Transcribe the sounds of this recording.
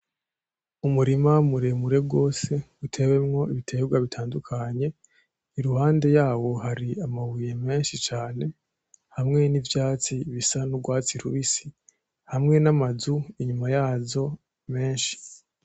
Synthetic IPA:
umuɾimamuɾe̞muɾe̞bɡo̞ːse̞utʰe̞we̞mŋo̞iβitʰe̞bɡwaβitʰaːndukʰaɲe̞ | iɾuhaːnde̞jaːwo̞haɾiamawije̞me̞ːnʃit͡ʃaːne̞ | hamŋe̞nivjaːt͡siβisanubɡwaːt͡siɾuβisi | hamŋe̞namazuiɲumajaːzo̞ | me̞ːnʃi̥

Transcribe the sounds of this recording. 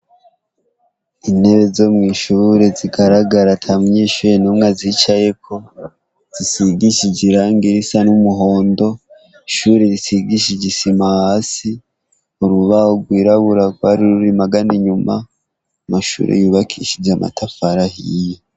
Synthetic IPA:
ine̞βezo̞mŋiːʃuɾe̞ziɡaɾaɡaɾatʰamuɲe̞ːʃuːɾenumŋazit͡ʃaje̞kʰo̞ | z̥isiɡiʃid͡ʒiɾaːŋɡiɾisanumuɦo̞ːndo̞ | iʃuːɾe̞ɾisiɡiʃid͡ʒisimahasi | uɾuβahoɡwiːɾaβuɾaɡwaɾiɾuɾimaɡaniɲuma̰ | maʃṵɾʔḛjuːβakʰḭʃid͡ʒamʔa̰tʰafaɾahije

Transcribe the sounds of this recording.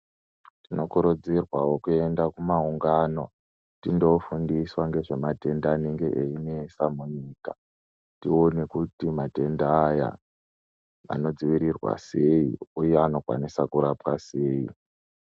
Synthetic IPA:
tino̞koɾud͡zirwawokue̞ndakumauŋɡano̞ | tindo̞fundiswaŋɡe̞ʐe̞mate̞ndaːneŋɡe̞ʔeinesamuɲiːka̰ | tio̞ne̞kutimate̞ndaːja̰ | a̰no̞d͡ziʋiɾirwa̰se̞ḭujeano̞kwa̰nisakuɾapwase̞ːḭ

